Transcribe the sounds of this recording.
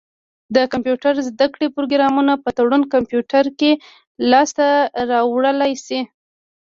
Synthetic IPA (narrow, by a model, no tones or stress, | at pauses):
d̪əkampjuʈaɾzd̪akɽepɾoɡɾɑmunapət̪aɽunkampjuʈaɾke | lɑst̪aɾɑwɽəlajsi